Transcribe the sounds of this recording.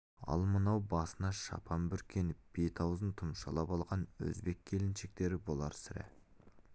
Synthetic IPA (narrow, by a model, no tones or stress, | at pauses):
ɑ̰lˠmənɑwbɑsənɑʃɑ̰pʰɑmbʏɾkʲʰe̞nɪb̥et̪ʰɑwzənt̪ʰʊmʃɑ̰lˠɑpɑlˠʁɑnwɵ̰zbe̞kʲʰːe̞lɪnʃek̚t̪e̞ɾɪbo̞lˠɑ̰ɾsɪɾɪ̰